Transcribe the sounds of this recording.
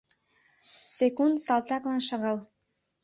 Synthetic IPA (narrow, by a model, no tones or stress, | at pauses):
sekund̪sɑlt̪ɑklɑnʃɑɣɑl